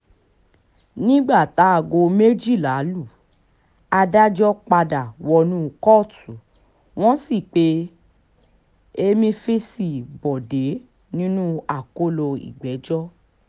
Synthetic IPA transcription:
nĩ˦ɡ͡ba˦˨ta˨˦a˨ɡo˧me˦d͡ʒi˦˨la˨˦lu˦˨ | a˧da˦d͡ʒɔ˦k͡pa˧da˨wɔ˧nũ˦kɔ˦˨tu˨ | w̃ɔ̃˦si˦˨k͡pe˦ | e˧mĩ˧fi˦si˦˨bɔ˨de˨˦ | nĩ˦nũ˦a˨ko˦lo˧ḭ˨ɡ͡bɛ˨˦d͡ʒɔ˦

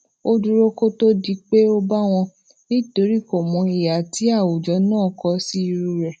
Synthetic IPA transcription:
o˧du˧ɾo˦ko˦to˦di˧k͡pe˦o˦ba˦w̃ɔ̃˧ | nĩ˦to˨˦ɾi˦˨ko˨mɔ̃˧i˨ja˨ti˨˦a˦˨wo˨d͡ʒɔ˨˧˦nãː˦˨kɔ˧si˦i˧ɾu˧ɾɛ˨

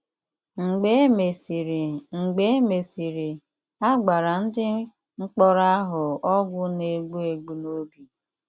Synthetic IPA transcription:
ŋ͡m̩˨ɡ͡be˦me˨sɾŋ͡m̩˨ɡ͡be˦e˦me˨si˨ɾi˨ | a˦ɡ͡ba˨ɾa˨n̩˦dɪ˦ | ŋ͡m̩˦k͡pɔ˦ɾa˦ɦʊ˨ɔ˦ɡʷʊ˦ne˨ɡ͡bu˦e˨ɡ͡bu˨no˦bi˨

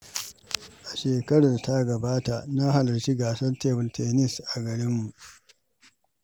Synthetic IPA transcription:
ʔa˨ʃeː˨kɐ˦ɽɐ˨nta˦ɡɐ˨baː˦ta˨ʔna˦ha˨lɐ˨rt͡ʃi˦ɡaː˨sɐ˦nteː˦˨bʊ˨ntʰɛː˨nɪ˦˨sʔa˨ɡɐ˨ɽɪ˦mːu˨ʔ

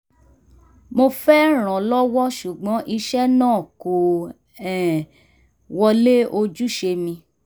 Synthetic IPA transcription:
mo˧fɛ˦ɾ̃ɔ̃˨lɔ˦wɔ˦ʃu˨ɡ͡bɔ̃˨˦ʔi˧ʃɛ˦nãː˦˨ko˨ | ɛ˨ | wɔ˧le˦o˧d͡ʒu˦ʃe˧mĩ˧

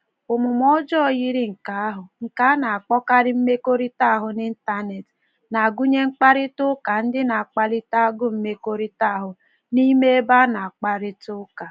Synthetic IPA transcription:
ʊ˨mʊ˨mɔ˦d͡ʒɔ˦˨ji˦ɾi˦ŋ̩˨ka˨a˦ɦʊ˨ŋ̩˨ka˨˦na˨a˨k͡pɔ˦ka˦ɾɪ˦m̩˦me˦ko˦ɾi˦ta˦˨ɦʊ˨ni˦n̩˦ta˦ne˨t | na˨a˨ɡu˦ɲe˦ŋ͡m̩˦k͡pa˦ɾɪ˦tʊ˦ka˨n̩˦dɪ˦na˨a˨k͡pa˦lɪ˦ta˦ɡʊ˦m̩˦me˦ko˦ɾi˦ta˦a˨ɦʊ˨ | ni˦me˦e˦ba˦na˨a˨k͡pa˨ɾɪ˦tʊ˦ka˨

